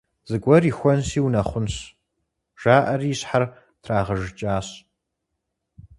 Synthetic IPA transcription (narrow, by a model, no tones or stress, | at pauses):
z̥ɨɡʷʼɔriːxʷɔnsiːwnɐχʷʊnɕ | ʒ̥aːʔɐriːɕħar | tʰraːʁɐʒt͡ʃʼaːɕ